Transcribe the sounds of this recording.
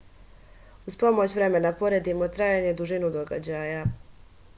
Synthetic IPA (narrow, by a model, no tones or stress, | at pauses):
uzpo̞mo̞t͡ɕʋɾe̞me̞napo̞ɾed̪imo̞t̪ɾaːjaɲe̞d̪uʒinud̪o̞ɡa̰d͡ʑaːja